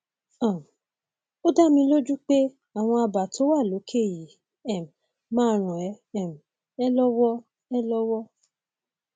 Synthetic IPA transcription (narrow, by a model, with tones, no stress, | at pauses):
ã˦˨ | o˦da˦mĩ˧lo˦d͡ʒu˦k͡pe˦ | a˨w̃ɔ̃˧a˧ba˨to˦wa˦˨lo˨˦kʰe˦˨ji˨˦ | ɛ˦˨m˨ | mãː˦ɾ̃ũ˨ɛ˨˦ | ɛ˦˨m˨ | ɛ˦lɔ˦wɔ˦ | ɛ˦lɔ˦wɔ˦